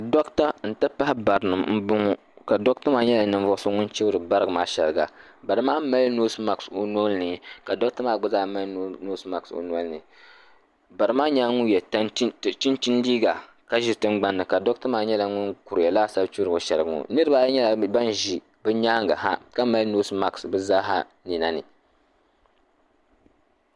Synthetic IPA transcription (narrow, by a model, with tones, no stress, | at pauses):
dɔ˦kta˦n̩˨tɨ˦pa˦hɪ˦ba˨ɾɨ˨nɨ˨mm̩˦bʊ˦ŋu˦ | ka˨dɔ˦k̚ta˦maː˦ɲɛ˦la˨nɨ˦ɱ˦vɔ˦so˦ŋʊ˦nt͡ʃi˦bɾɨ˨ba˦ɾɡɨ˨maː˦ʃɛ˨lɨ˨ɡa̰˨ | ba˨ɾɨ˦maː˦ma˦lno˦sma˨kso˨no˦lnɨ˨ka˨dɔ˦kta˦maː˦˨ɡ͡bɨ˦zaː˦ma˦lno˦sma˨kso̰˨n˦ɔ˦lnɨ˨ | ba˨ɾɨ˦maː˦ɲaː˦ŋu˦jɛ˨tt͡ʃi˦nt͡ʃi˦ndiː˦ɡa˨ | ka˦ʒi˨tɨ˦ŋɡ͡ba˦nːɨ˨ka˨dɔ˦ktɨ˦maː˦ɲɛ˦la˨˦ŋʊ˦nku˨ɾɨ˨ja˨laː˦sa˦bt͡ʃu˦ɾo˨ʃɛ˨lɨ˨ɡŋo̰˨nɨ˦ɾɨ˦a˦ɲɛ˦la˨ba˦n˦˨ʒi˨ | bɨ˦ɲaː˦ŋɡa˨ha˦ka˦ma˦lno˦sma˨ksbɨ˦za˦ɦa˦ | ni˨na˦nɨ̰˨